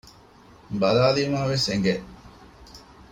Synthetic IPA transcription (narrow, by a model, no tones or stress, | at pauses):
bɐlaːliːmaːʋeseŋɡeʔ